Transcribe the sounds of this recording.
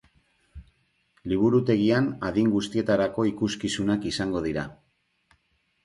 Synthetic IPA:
liβ̞uɾut̪e̞ɣianaðiŋɡust̪ie̞t̪aɾako̞ikuskisunakisaŋɡo̞ð̞iɾa

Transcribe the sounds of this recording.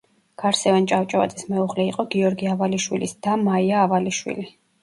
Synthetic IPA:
ɡ̥aɾsɛvant͡ʃʼavt͡ʃʼava̰t̪ʼismɛuʁlɛiqʼɔɡiɔɾɡiavaliʃwilisd̪̥amaiaːvaliʃwḭli

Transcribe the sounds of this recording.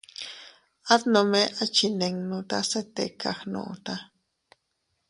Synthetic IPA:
at̪nomeʔat͡ʃineŋnot̪aset̪ekaxnõ̰ʔt̪a

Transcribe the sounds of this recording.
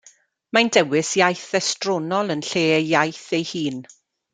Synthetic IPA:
mandɛwɪsjajθɛstrɔnɔlˠənɬeːjajθejhiːn

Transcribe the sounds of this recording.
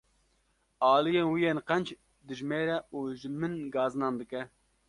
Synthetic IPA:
ɑːlijɛnwijɛnqɛnt͡ʃ | d̪ɨʒmeːɾɛuʒɨmɨnɡɑːzɨnɑnd̪ɨkɛ

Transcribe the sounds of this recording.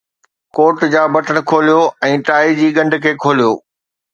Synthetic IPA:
koːʈd͡ʑaːbɐʈəɽ̃ʊ̆kʰoːlijoɛ̃ːʈaːid͡ʑiːɠɐ̃ɳɖʱkʰeːkʰoːlijoː

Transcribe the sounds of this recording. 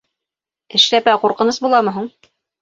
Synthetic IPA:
ɘ̆ʃlæpæquɾqɤ̆nɤsbulˠɑmɤ̆ɦuɴ

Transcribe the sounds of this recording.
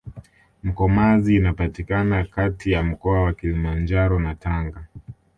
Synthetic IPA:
m̩kɔmaziːnapatikanakatijam̩kɔawakilimand͡ʒaɾɔnataŋɡa

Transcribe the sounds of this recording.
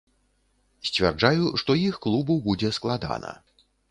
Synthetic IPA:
sʲt͡sʲvʲa̰rd͡ʐajuʂt̪ɔjixklˠubuwbud͡zʲɛsklˠad̪a̰nɐ̰

